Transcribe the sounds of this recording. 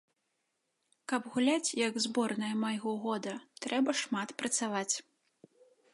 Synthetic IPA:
kɐpɣulʲat͡sʲjɐɡzbɔrnɐjɐmajɣɔɣɔd̪ɐt̪ɾɛbɐʂmat̪pɾɐt̪savat͡sʲ

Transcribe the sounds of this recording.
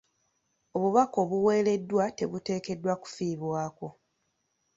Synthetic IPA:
o̞βuβako̞βuwe̞ːle̞dːwate̞βute̞ːke̞dːwaku̥fiːβwaːko̞

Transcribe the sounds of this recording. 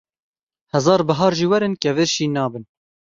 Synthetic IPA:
hɛzɑːɾbɨɦɑːɾʒiːwɛɾɨnkɛvɨɾʃiːnɑːbɨn

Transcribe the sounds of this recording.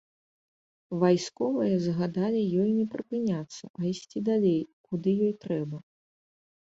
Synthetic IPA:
vajskɔvɐjɐzɣad̪alʲijɔjnʲɛpɾɨpɨnʲat̪sːɐ̰ʔɐisʲt͡sʲid̪alʲejkud̪ɨjɔjt̪ɾɛbɐ

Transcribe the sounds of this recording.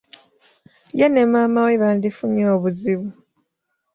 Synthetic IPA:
janemamaweβaːndifuɲoːβuziβu

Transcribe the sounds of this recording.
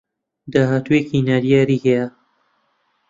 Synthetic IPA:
d̪aːɦaːt̪ueːcinaːɾjaːɾiːɡɐja

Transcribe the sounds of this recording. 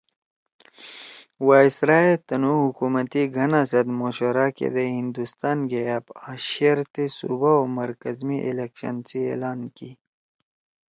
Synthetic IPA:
waːisɾaːet̪ɐnuɦukumɐt̪iɡʱɐnasɐd̪moːɕoɾaːkḛd̪eɦĩnd̪ust̪aːnɡeapaʃeɾt̪esṵbaomɐɾkɐzmiʔḛlekʃɐ̰nsiḛːlaːnki

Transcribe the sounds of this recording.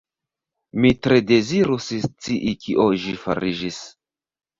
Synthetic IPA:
mitɾe̞de̞ziɾust͡siʔikiʔoʒifa̰ɾid͡ʒis

